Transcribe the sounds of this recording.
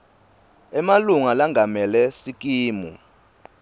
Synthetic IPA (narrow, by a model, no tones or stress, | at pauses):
ɛmaluŋalaŋʱamɛlɛsik̬ʼiːmṵ